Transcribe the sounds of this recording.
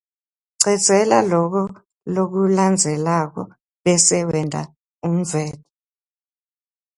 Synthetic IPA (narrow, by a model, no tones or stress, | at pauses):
ǀɛ̥d͡z̥ʱɛlalɔk̬ɔ | lok̬uland͡zʱɛlak̬ɔ̰ | ɓɛsɛwɛntʼa̰ | um̩vɛːtʼɔ